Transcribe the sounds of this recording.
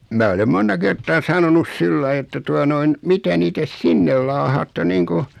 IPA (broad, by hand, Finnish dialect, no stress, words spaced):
mæː olem montɑ kertˑɑː sɑnonus silːɑi etːæ tuɑ noin mitæ niːtæ sinːel lɑːhɑːtːe niːŋku